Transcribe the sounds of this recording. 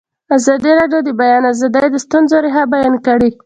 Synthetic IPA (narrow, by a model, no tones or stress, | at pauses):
azɑd̪iɾɑɖjod̪əbajɑnazəd̪ajd̪əst̪unzoɾeɦabajɑnkaɽi